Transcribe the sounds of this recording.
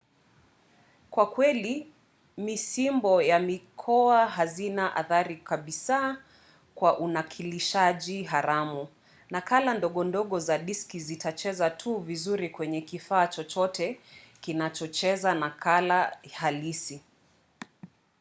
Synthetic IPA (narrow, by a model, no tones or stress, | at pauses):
kwakwɛli | misimbɔjamikʰɔaɦazinaʔa̰θaɾikaɓisaː | kwaʔunakʰiliʃaʄiɦaɾamu | nakalandɔɠɔndɔɠɔzaɗiskizitʰat͡ʃɛzatʰuvizuɾikwɛɲɛkifaːt͡ʃɔt͡ʃɔtʰɛkinat͡ʃɔt͡ʃɛzanakʰalahalisi